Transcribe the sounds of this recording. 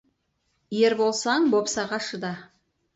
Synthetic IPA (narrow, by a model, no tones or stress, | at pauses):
jeɾbolˠsɑɴbo̞psɑʁɑʃəd̪ɑ